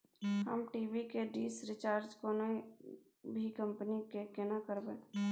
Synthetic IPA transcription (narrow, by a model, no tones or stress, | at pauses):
ɦə̰mʈiːbikeɖiːsɾɪt͡ʃaːɾd͡ʒkoːno | bʱikə̃mpnikekenakəɾbẽː